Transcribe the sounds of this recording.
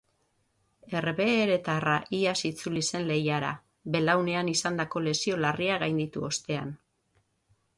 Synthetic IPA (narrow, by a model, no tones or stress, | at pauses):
e̞reβe̞ːɾe̞t̪araʔiasit͡sulise̞nle̞jaɾa̰ | βe̞lawne̞anisand̪ako̞le̞sio̞lariaɣajnd̪it̪uo̞st̪e̞an